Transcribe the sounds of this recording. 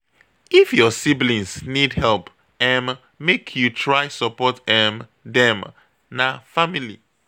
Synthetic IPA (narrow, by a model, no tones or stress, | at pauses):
ifjɔsiblĩnsnidhɛlp | ɛ̃n | mekʰjutʰɹajsɔpɔtɛ̃mdɛ̃m | nafamilḭ